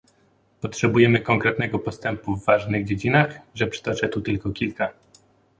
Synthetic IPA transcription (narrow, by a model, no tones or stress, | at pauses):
pɔtʂɛbujɛmɘkɔŋkɾɛt̪nɛɡɔpɔst̪ɛmpuvːaʐnɘɣd͡ʑed͡ʑinaxʐɛpʂɛ̥t̪ɔt͡ʂɛt̪ut̪ɘlkɔkʲilka